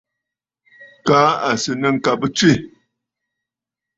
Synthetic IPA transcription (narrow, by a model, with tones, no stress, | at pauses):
kaː˦a˨sɨ˨nə˦ŋ̩˨ka˨bə˦t͡ʃi˦